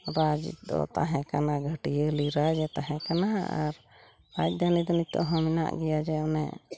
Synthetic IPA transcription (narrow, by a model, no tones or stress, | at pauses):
ɾad͡ʒ̰d̪ɔ̰t̪a̰ɦɛ̃kanaɡʱəʈijəliɾad͡ʒɛt̪aɦɛ̃kanaa̰ɾ | bac̚ˀd̪anid̪ɔnit̪ɔ̰ʔɦɔ̃mina̰ʔɡɛjad͡ʒɛɔnɛ